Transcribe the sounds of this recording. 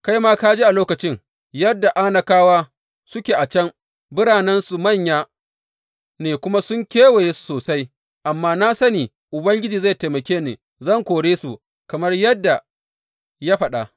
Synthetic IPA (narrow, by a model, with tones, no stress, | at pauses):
ka˦jmaː˦kaː˦d͡ʒeː˦ʔa˨loː˦kɐ˨t͡ʃɪ˦ŋ | jɐ˦dːa˨ʔa˦na˨kaː˦waː˦ | sʊ˦kʲeː˨ʔa˨t͡ʃɐ˦m | bɪ˦ɽaː˨nɛ˦nsu˨mɐ˦˨ɲjaː˦ | neː˨kʷʊ˦ma˦sʊ˦ŋkʲeː˦we˨jeː˦su̥˨soː˨sa˦j | ʔa˨mːaː˦na˦sɐ˦niː˨ | ʔʊ˨bɐ˦ŋɡʲɪ˦d͡ʒiː˨za˦˨jta˨mɐ˨kʲeː˦neː˨ | zɐ˦˨ŋkʷoː˨ɽeː˦su˨ | kɐ˨mɐ˦rjɐ˦dːa˨ | ja˦ɸɐ˨ɗa̰˨